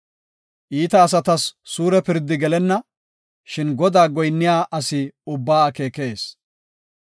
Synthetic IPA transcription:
ʔiːt̪ɐːs̬ɐt̪ɐsːuːɾɛpɪɾd̪ɪɡɛlɛnːɐ | ʃɪnɡɔd̪aːɡɔjnːɪjaːʔɐsɪʊbːaːke̞ːkeːs

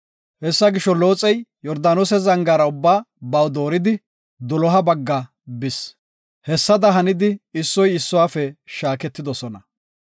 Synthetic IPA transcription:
hɛsːɐɡɪʃːɔlo̞ːt͡sʼɛjjɔɾd̪aːnoːsɛzɐŋɡaːɾɐʊbːaːbɐwd̪o̞ːɾɪd̪ɪ | d̪ɔlɔɦɐbɐɡːɐ | bɪs | hɛsːɐd̪ɐɦɐnɪd̪ɪɪsːɔjɪsːɔwaːfɛʃaːkɛt̪ːɪd̪ɔsɔnɐ

